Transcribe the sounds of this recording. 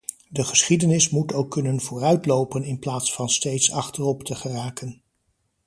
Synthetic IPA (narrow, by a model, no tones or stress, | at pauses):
dəχəsχidənɪsmutowkːɵnənvʊːrœɥtlowpənɪnplaːtsfɑnstejtsɑ̰χtərɔptəχəraːkən